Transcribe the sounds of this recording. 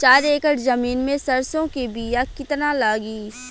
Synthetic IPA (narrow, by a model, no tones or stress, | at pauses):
t͡ʃaːɾeːkəʈzɐmiːnmẽsɐɾsõkebiːjakɪt̪nalaːɡiː